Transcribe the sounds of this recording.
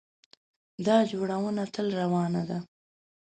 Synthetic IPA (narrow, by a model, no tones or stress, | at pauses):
d̪ɑd͡ʒoɽawənat̪əlɾawɑnad̪a